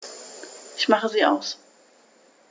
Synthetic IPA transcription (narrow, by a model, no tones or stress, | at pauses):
ʔɪçmaχəziːa̰ʊs